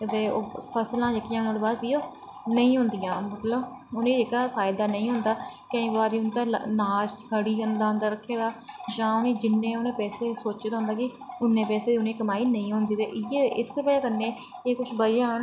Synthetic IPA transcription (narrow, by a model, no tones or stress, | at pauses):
ɪt̪eːoːpʰəslãːd͡ʒəkːijãːnãːd̪eːbaːd̪biːoː | nəĩːɦʊ̃nd̪ɪjãːmət̪ləbʊnẽːd͡ʒeːkaːpʰaːɪd̪aːnəĩːɦʊnd̪aːkə̃ĩːbaːɾiːʊnt̪aːnaːd͡ʒsəɽiːɦʊnd̪aːɦənd̪əɾəkʰːeːd̪aːd͡ʒãːʊnẽːd͡ʒɪnːẽːʊnẽːpɛːseːsoːt͡ʃd̪aːɦʊ̃nd̪aːkɪʊnːẽːpɛːseːd̪iʊnẽːkəmaːiːnəĩːɦʊ̃nd̪iːt̪eːʔɪjeːʔɪspəːkəɾnẽː | eːkʊt͡ʃʰbəjãːɦn